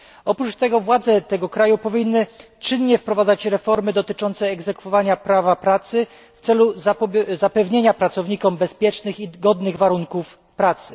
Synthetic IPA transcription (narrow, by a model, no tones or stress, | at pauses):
ɔpɾut͡ʂt̪ɛɡɔvwad̪zɛt̪ɛɡɔkɾajupɔvʲinːɘ | t͡ʂɘnɲɛfpɾɔvad̪zat͡ɕɾɛfɔɾmɘd̪ɔt̪ɘt͡ʂɔnt̪sɛːɡzɛkfɔvaɲapɾavapɾat̪sɘ | ft̪sɛluzapɛvɲeɲapɾat̪sɔvɲikɔmbɛspʲjɛt͡ʂnɘxiɡɔd̪nɘɣvaɾuŋkuf | pɾat̪sɘ̥